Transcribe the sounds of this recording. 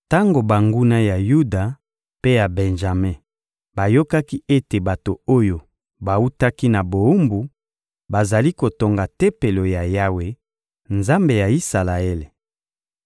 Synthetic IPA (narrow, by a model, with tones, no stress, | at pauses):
ta˦ŋɡo˨ba˨ŋɡu˦na˦ja˨ju˦da˨ | pe˦ja˨bɛ˨nʒa˨me˦ | ba˨jo˦ka˦ki˦e˦te˨ba˨to˨o˦jo˨ | ba˨u˦ta˦ki˦na˨bo˨u˦mbu˨ | ba˨za˨li˦ko˨to˨ŋɡa˨te˦pe˨lo˨ja˨ja˦we˨ | nza˦mbe˨ja˨i˦sa˨la˨e˦le˨